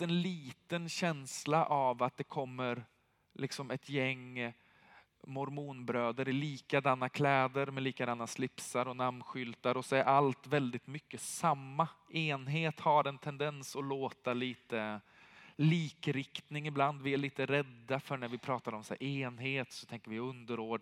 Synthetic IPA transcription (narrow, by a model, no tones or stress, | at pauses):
ɛnliːt̪ənɕɛnslaʔavat̪̚d̪ɛkʰɔmːəɾ | lɪksɔmɛt̪jɛŋː | mɔɾmuːnbɾøːd̪əɾɪliːkad̪anːakʰlɛːd̪əɾmɛliːkad̪anːaslɪpsaɾɔnamɧʏlt̪aɾɔsɔɛɾʔalt̪vɛld̪ɪt̪mʏkːəsamːaeːnɦeːt̪haɾɛnt̪ʰɛnd̪ɛnsɔloːt̪aliːt̪ə | liːkɾɪkt̪nɪŋɪbland̪vɪæɭiːt̪əɾɛd̪ːafœɳæɾvɪpʰɾɑːt̪aɾɔmsa̰ɾʔeːnɦeːt̪sɔ̥t̪ʰɛŋkəɾvɪɵnd̪əɾoːɖ